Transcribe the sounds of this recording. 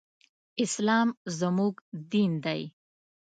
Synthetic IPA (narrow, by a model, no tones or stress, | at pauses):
ɪslɑmzəmuɡd̪ind̪aj